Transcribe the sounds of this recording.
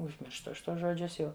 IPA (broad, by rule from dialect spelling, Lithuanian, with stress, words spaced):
ʊʒʲˈmʲɪrʃtʊ ˈɐʃ ˈtuɔs ʒoːˈd͡ʒʲʊs ˈjɛʊ